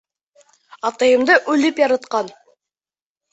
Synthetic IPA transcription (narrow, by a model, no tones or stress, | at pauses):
ɑt̪ɑjəmd̪əʔɵlɪpjɑɾɑt̪qɑn